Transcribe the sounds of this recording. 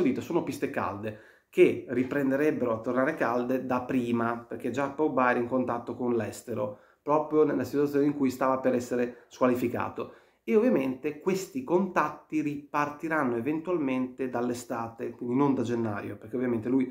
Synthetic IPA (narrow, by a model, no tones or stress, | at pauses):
od̪iːt̪ːosoːnopist̪eka̰ld̪e | k̟eripɾend̪eɾɛbːeɾoat̪ːornaːɾekald̪ed̪apːɾiːmaperk̟ed͡ʒapawbaɛɾeiŋkont̪at̪ːokonlɛst̪eɾo | pɾɔːpɾjonelːasit̪wat̪ːjoneiŋkujst̪aːvapeɾɛsːeɾeskwalifika̰ːt̪o | eovːjament̪ekwest̪ikont̪at̪ːiripart̪iɾanːoevent̪uwalment̪ed̪alːest̪aːt̪ekwind̪inond̪ad͡ʒenːa̰jo̰perk̟eovjament̪eluj